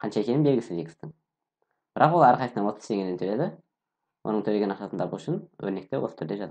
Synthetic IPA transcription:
qʰɑnʃɑekʲe̞nɪmbe̞lɡʲɪsɪzvikə̥st̪ɪŋ | b̥ɪɾʔɑqwolˠæɾqʰɑjsənɑnwo̞t̪ə̥z̥t̪ʰe̞ŋʲenenʰɵle̞d̪ɪ | wʔo̞̰nəɴŋt̪ʰɵleɡʲenɑqʃɑt̪ənt̪ɑpuʃɪnwɵ̰ɾne̞k̚t̪e̞wo̞sə̥t̪ʰʏɾd̪e̞ʒɑt̪

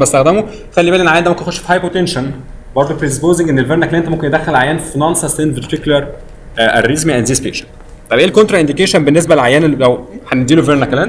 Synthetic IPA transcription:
bæst̪æxd̪æmo | xælːibælnenlʕajænd̪momkenexoʃfi̥hɑjpot̪enʃæn | bɑɾˤd̪ˤopɾid̪espoːzeŋɡʔenːelveɾnækælænent̪æomkenjed̪æxːelʕajæːnfinɑnsˤɑst̪enveɾt̪iklɑɾˤ | ʔærːizmiʔænd̪zispḛːʃæ̥nt | t̪ːˤɑjbʔeːlkont̪ɾɑʔend̪ikeʃænbenːes̬bælʕajæːnːlæwħæned̪iːluveɾnækælæn

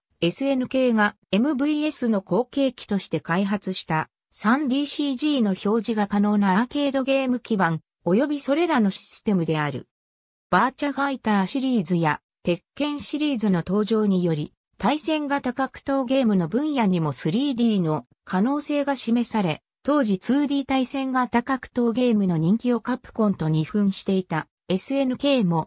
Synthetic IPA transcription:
e̞sɨe̞nɯ̟ke̞ːɡa | e̞mɯ̟bɯ̟ie̞sɨno̞ko̞ːke̞ːkʲi̥t̪o̞ɕi̥t̪e̞kaiɦat͡sɨɕi̥t̪a | sãnd̪ʲiːɕiʑiːno̞ço̞ːʑiɡakano̞ːnake̞ːd̪o̞ɡe̞ːmɯ̟kʲiβãŋ | o̞jo̞bʲiso̞ɾe̞ɾano̞ɕi̥sɨ̥t̪e̞mɯ̟d̪e̞aɾɯ̟̰ | b̥aːt͡ɕaɡait̪aːɕiɾʲiːzɨja | t̪e̞kːẽ̞ɰ̃ɕiɾʲiːzɨno̞t̪o̞ːʑo̞ːɲ̟ijo̞ɾʲi | t̪aisẽ̞ŋɡat̪akakɯ̟̥t̪o̞ːɡe̞ːmɯ̟no̞bɯ̟̃ɰ̃jaɲ̟imo̞sɨɾʲiːd̪ʲiːno̞ | kʰano̞ːse̞ːɡaɕime̞saɾe̞ | t̪o̞ːʑit͡sɨːd̪ʲiːt̪aisẽ̞ŋɡat̪akakɯ̟̥t̪o̞ːɡe̞ːmɯ̟no̞ɲ̟ĩŋkʲio̞kapːɯ̥kõ̞nt̪o̞ɲ̟iɸɯ̟̃ɰ̃ɕi̥t̪e̞it̪a | e̞sɨe̞nɯ̟ke̞ːmo̞

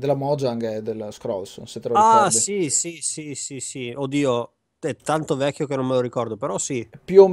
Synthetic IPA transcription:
d̪elːamɔd͡ʒaŋɡɛd̪elskɾɔlso̰nset̪ːɾɔasisisisisiod̪iːo | ɛt̪ːant̪ovɛkʲːjok̟enommeloɾikɔrd̪opeɾɔsipjuom

